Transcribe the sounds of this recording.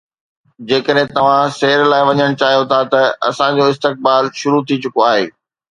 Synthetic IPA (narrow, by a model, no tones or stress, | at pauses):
d͡ʑeːkəɗɦẽt̪ɐʋ̤ãseːɾlaːɪʋɐɲəɽ̃t͡ɕaːɦijot̪ʰat̪ɐɐsãd͡ʑoɪst̪ɪk̚baːlʃʊɾut̪ʰit͡ɕʊkoaːɦḛː